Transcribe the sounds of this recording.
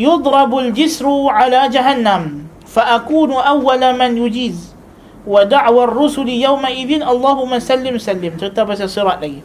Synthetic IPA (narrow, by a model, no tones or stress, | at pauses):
jʊd̪ˤɾˤɑbald͡ʒɪsɾʕalaːd͡ʒaɦanːam | faʔakuːnʔawːalmanjʊd͡ʒiːz | wad̪aʕwarːʊsʊljawmaʔɪðɪnʔɑlˤːɑːhʊmːasalːɪmsalːɪmt̪ɪt̪ːabasɑsˤɨɾɑːʔlaj